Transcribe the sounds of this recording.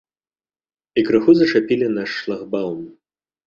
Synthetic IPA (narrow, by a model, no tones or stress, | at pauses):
ikɾɨxuzɐt͡ʂapʲilʲinɐʂlˠaɣbalˠm